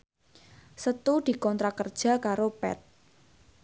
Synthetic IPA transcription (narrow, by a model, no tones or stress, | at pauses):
sət̪ud̪̥i̤kɔnt̪ɾakərd̥ʒ̥ä̤kaɾopɛ̰t̪̚